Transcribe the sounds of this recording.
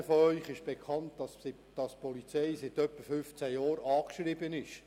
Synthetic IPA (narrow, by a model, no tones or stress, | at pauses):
əfɔœʏχɪʃb̥ekʰɑntdɑs | d̥ɑspɔlit͡sɛjsɪt̪œpːəfʏft͡sæjɑːɾɑːkʃrɪbənɪʃ